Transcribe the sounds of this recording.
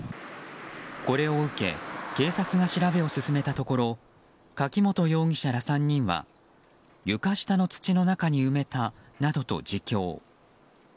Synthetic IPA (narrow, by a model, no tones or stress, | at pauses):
ko̞ɾe̞o̞ɯ̟ke̞̰ke̞ːsat͡sɨɡaɕiɾabe̞o̞sɨsɨme̞t̪at̪o̞ko̞ɾo̞ | kakʲimo̞t̪o̞jo̞ːɡ̟ʲiɕaɾasãɲ̟ːĩɰ̃βa̰ | jɯ̟kaɕi̥t̪ano̞t͡sɨ̥t͡ɕino̞nakaɲ̟iɯ̟me̞t̪anad̪o̞t̪o̞̰d͡ʑikʲo̞̰ː